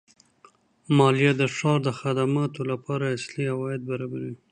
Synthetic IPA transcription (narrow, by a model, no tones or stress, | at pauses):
mɑlijad̪əʂɑɾd̪əxad̪amɑt̪olapɑɾaasliawɑjɪd̪̚baɾɑbaɾi